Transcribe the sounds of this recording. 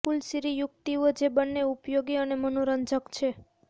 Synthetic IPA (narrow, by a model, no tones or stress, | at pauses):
pulsiɾijuk̚t̪iʋod͡ʒebənːeupjoɡiənemənoɾənd͡ʒəkt͡ʃʰe